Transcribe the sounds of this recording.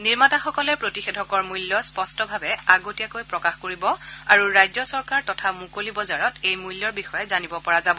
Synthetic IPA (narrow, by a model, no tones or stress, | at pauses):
niɹmataxɔkɔlɛpɹotixedʱɔkɔɹmujljɔspɔstɔbʱabɛaɡotijakojpɹɔkaxkoɹibɔaɹuɹajzɔsɔɹkaɹtɔtʰamukolibɔzaɹɔtejmujljɔɹbixɔjɛzanibɔpɔɹazabɔ